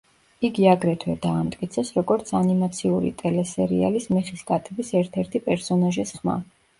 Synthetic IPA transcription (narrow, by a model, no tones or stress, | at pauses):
iɡiaɡɾɛt̪ʰwɛd̪aːmt̪ʼkʼit̪sʰɛsɾɔɡɔɾt̪sʰanimat̪sʰiuɾḭt̪ʼɛlɛsɛɾḭa̰lismɛχiskʼat̪ʰɛbisɛɾt̪ʰɛɾt̪ʰipʼɛɾsɔnaʒisχma̰